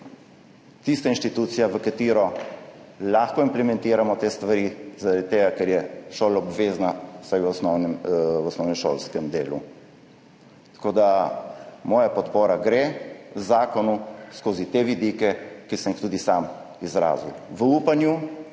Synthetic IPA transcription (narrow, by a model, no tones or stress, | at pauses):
t̪ist̪ainʃt̪it̪uːt̪sijaʋəkat̪iːɾɔ | laːxkɔimplɛmɛ̃nt̪iːɾamɔt̪eːst̪ʋaɾizaɾadd̪it̪ːeːɡakɛɾjɛʃoːlaɔbʋeːznasajʋɔsnɔwnɛɔsnɔwnɛmʃo̰lskɛmd̪eːlṵ | t̪koːd̪a | mɔːjapɔt̪poːɾaɡɾezaːkɔnuskoːzit̪eʋid̪ikɛkisəmixt̪uːd̪isam | izɾa̰ːziwʋəuːpanju